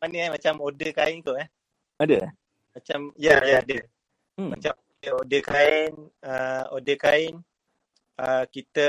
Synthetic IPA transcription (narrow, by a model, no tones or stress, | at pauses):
manəamat͡ʃamodəkaɪnik̪oah | adə | mat͡ʃamjajaːdə | ma̰t͡ʃam | əodəkaɪnəodəkaɪn | əkit̪ə